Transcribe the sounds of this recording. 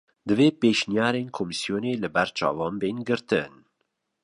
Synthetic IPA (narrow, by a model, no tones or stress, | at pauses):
d̪ɨveːpeːʃnijɑːɾeːnkʰoːmisijoːneːlɨbɛɾt͡ʃʰɑ̰ːvɑːnbeːnɡɨɾt̪ɨn